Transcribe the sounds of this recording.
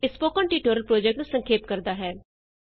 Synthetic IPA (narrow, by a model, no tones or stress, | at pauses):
ɪspoːkəɳʈiːʈoːɾəlpɾoːd͡ʒɛːk̚ʈnũsəŋkʰeːp̚kəɾd̪aːɦɛː